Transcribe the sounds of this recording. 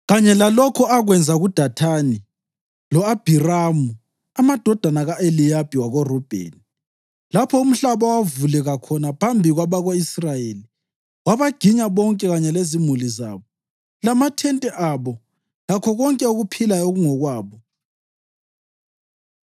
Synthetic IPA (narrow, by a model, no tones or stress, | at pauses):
ɣaɲɛlalɔkʰɔaɣwɛnd͡zʱaɣud̥ʱatʰani | lɔab̥ʱiramu | amad̥ʱɔd̥ʱanaɣaelijab̥ʱiwaɣɔrɔb̥ʱḛːni | lapʰɔum̩ɬaβawavulɛɣakʰɔnapʰambʱiɣwaβaɣoisrajeli | waβaɡ̥ʱiɲaβɔŋkʼɛɣaɲɛlezimuliza̰ːβɔ | lamatʰɛntʼɛʔaβɔ | lakʰɔɣɔŋkʼɛuɣupʰilajoɣuŋɔɣwaːβɔ